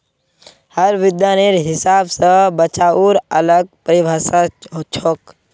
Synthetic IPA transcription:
həɾʋɪd̪jaːneɾɦɪsaːbsəbət͡ʃaːuɾələɡ̚pəɾibʱasat͡ʃʰok

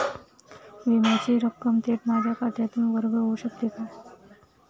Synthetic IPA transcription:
ʋimat͡ɕiːɾəkːəmt̪eʈmad͡ʑʱjakad̪ʱjat̪ĩːʋəɾɡəoʋəɕək̚t̪it̪a

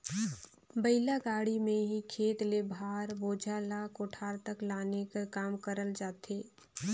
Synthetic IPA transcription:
bəɪlaɡaːɽimẽɦikʰeːt̪lebʱaːɾboːd͡ʒʱalakoʈʰaːɾt̪əklaːnekakaːmkəɾəld͡ʒaːt̪eː

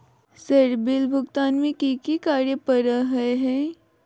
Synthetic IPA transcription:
səɾbilbʱuɡt̪anmĩkikikaɾjəpəɾəɦəeɦẽ

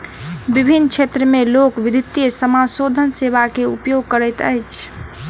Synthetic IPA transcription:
bibʱinːət͡ʃʰet̪ɾəmelokʋid̪ʱit̪ːjesəmasod̪ʱənseβakeṵpjoɡ̚kəɾɛjt̪ə̰jt͡ʃʰ

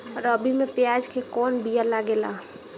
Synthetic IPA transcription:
ɔɾəbʱimepjad͡ʒkekɔnbijalaɡela̰

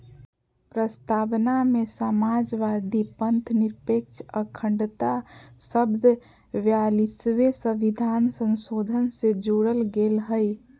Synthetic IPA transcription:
pɾəst̪abnamesamad͡ʒʋad̪ʱipənt̪ʰniɾpek̚t͡ʃʰəkʰːəɳɖt̪asəbd̪ʱ | ʋjalisʋesəʋid̪ʱansə̃nsod̪ʱənsed͡ʒuɾəlɡelɦəj

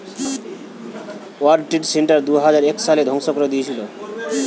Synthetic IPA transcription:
waɾɖ̚ʈiʈseɳʈaɾd̪uɦad͡ʑaɾɛkʃaled̪ʱɔŋʃokɾod̪ijet͡ɕʰilo

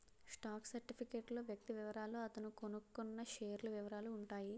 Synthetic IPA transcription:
sʈaːksɐɾʈipʰikeːʈlo̞ːʋjɐk̚t̪iʋiʋɐɾaːloːɐt̪ɐnukonukːunːɐʃeːɾlɐʋiʋɐɾaːluːɳʈaːji

